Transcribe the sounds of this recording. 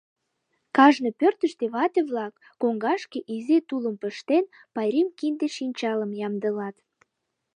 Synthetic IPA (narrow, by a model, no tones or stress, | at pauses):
kɑʒnɤpørt̪əʃt̪eβɑt̪eβlɑkːoŋɡɑʃkeʔizet̪uləmpə̆ʃt̪en | pɑjɾimkind̪eʃinʲt͡ɕɑləmjɑmd̪ə̆lɑt̪